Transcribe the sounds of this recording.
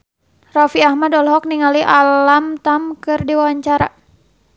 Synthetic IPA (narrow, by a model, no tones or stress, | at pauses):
rafiahmadɔlɦɔk̚niŋaliʔalamt̪amkɨrdiwawaɲt͡ʃaɾa̰